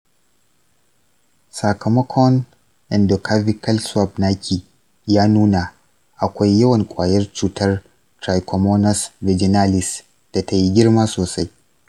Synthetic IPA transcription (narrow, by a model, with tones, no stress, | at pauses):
sa˨kʰɐ˨mɐ˦kʰɔ˦n | ʔɛ˨ndo˨kʰa˦vi˦kɐ˦lswa˦bnaː˦kʲʰi˨ | jaː˦nuː˦na˨ | ʔa˨kʷa˦jːɐ˦wɐ˨ŋkʷʼaː˨jɐ˦rt͡ʃuː˨tɐ˦r | tɾa˨jkʰɔ˨mo˦nɐ˦svɛ˨d͡ʒɪ˨na˦lɪ˨s | d̥a˨ta˦ji˦ɡʲɪ˦ɾmaː˦soː˨sa˦j